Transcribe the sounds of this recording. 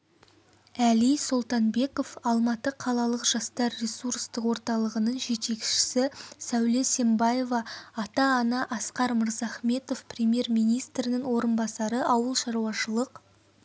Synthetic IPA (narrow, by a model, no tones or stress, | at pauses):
ælijsolˠt̪ɑnbe̞ko̞fɑlˠmɑt̪əqʰɑlˠɑlˠəqʒ̥ɑst̪ɑɾːe̞surst̪əqwo̞ɾt̪ɑlˠəʁənəɴʒe̞t̪e̞kʃɪ̥sɪsæwle̞se̞mbɑje̞vɑːt̪ɑːnɑʔɑsqɑɾməɾzɑχme̞t̪o̞fprʲemje̞ɾmijnijst̪ɾɪnɪŋwo̞ɾənbɑsɑɾəʔɑwəlˠʃɑɾuɑʃəlˠəq